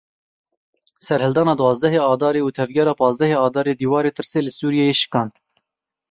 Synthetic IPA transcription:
sɛɾhɨld̪ɑːnɑːd̪wɑːzd̪ɛɦeːɑːd̪ɑːɾeːuːt̪ʰɛvɡʲɛɾɑːpɑːzd̪ɛheːɑːd̪ɑːɾeːd̪iːwɑːɾeːt̪ʰɨɾseːlɨsuːɾijɛjeːʃɨ̥kɑːnt̪

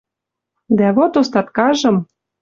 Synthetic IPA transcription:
d̪æβot̪ost̪ɑt̪kɑʒɤ̆m

